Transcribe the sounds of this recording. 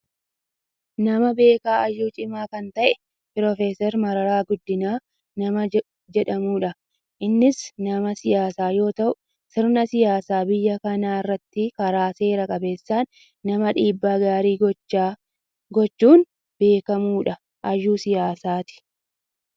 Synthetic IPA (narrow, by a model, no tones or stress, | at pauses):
nɐmɐbe̞ːkaːʔɐjːuːt͡ʃʼɪmaːkɐnt̪ɐʔɛ | pɪɾɔfeːsɛɾmɐɾɐɾaːɡʊd̪ːɪnaː | nɐmɐ | d͡ʒɛᶑɐmuːᶑɐ | ʔɪnːɪsnɐmɐsɪjaːsaːjo̞ːt̪ɐʔʊ | sɪɾnɐsɪjaːsaːbɪjːɐkɐnaːɪrːɐt̪ːɪkɐɾaːse̞ːɾɐkʼɐbe̞ːsːaːnː | ɐmɐᶑiːbːaːɡaːɾiːɡa | ɡɔt͡ʃːuːn | be̞ːkɐmuːᶑɐ | ʔɐjːuːsɪjaːsaːt̪ɪ̥